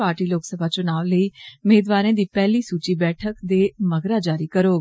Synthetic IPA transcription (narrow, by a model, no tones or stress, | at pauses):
aːɾʈiːloːksəbʱaːt͡ʃʊnaːʋləiːʊmeːd̪ʋaːɾãːd̪iːpɛːliːsuːt͡ʃiːbɛːʈʰəkd̪eːməɡɾaːd͡ʒaːɾiːkəɾoː